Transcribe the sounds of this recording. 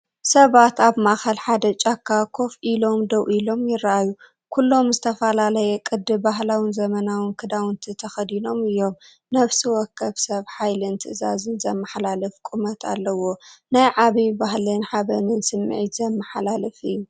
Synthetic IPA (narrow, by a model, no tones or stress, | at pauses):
sɐβat̪aβmaxɐlħad̪ɐt͡ʃʼakʰːakʰo̞fʔilo̞md̪ɐwʔilo̞mjɪrːaʔaju | kʰulːo̞mzɨt̪ʰɐfɐlalɐjɛkʼɨd̪ːɨbaɦlawinzɐmɐnawɨnkʰɨd̪awɨnt̪ʰit̪ʰɐxɐd̪ino̞mɨjːo̞m | nɐβsiwɔkʰːɐβsɐβħajlɨnt̪ʰɨʔza̰zɨnzɐmːɐħlalɐfkʼumɐt̪ʰa̰lːɐwo̞najʕaβibaɦlɨnħaβɐnɨnsɨmːʕit̪zɐmːɐħlalɨfɨjːu